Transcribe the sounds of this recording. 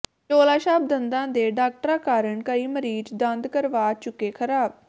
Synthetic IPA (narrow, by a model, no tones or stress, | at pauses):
t͡ʃoːlaːʃaːb̚d̪ənd̪ãːd̪eːɖaːk̚ʈəɾaːkaːɾəɳkəɾiːməɾiːd͡ʒd̪ənd̪kəɾʋaːt͡ʃʊkːeːkʰəɾaːb̚